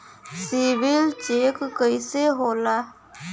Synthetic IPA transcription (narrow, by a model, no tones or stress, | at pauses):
siːʋɪlt͡ʃeːkːəiseɦoːlaː